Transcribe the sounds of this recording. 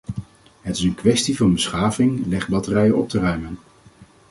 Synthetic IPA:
ɦətɪsənkʋɛstivɑnbəsχaːvɪŋlɛχbɑtərɛjəʔɔp̚tərœɥmən

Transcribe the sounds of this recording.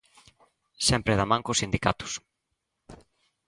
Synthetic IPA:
sɛmpɾɪðamãŋkosind̪ikat̪ʊ̥s

